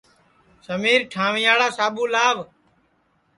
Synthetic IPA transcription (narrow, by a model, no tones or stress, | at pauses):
səmiːɾʈʰaːʋɪ̃jaːɽaːsaːɓuːlaːʋ